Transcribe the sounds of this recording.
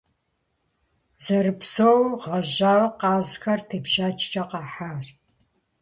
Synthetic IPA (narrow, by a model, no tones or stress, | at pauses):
zɐɾɨpsowʁɐʑaːwqɑːzxɐrtʰɨpʃaːt͡ʃʰʼt͡ʃʼɐqɑːħaːr